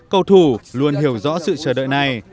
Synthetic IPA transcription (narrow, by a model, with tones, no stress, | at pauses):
kə˧wt̪ʰu˧˩lu˧ənhi˧˩əwzɔ̰˧˥sɨ̰˧˨t͡ɕəː˧˩ɗə̰˧˨jna˨˩j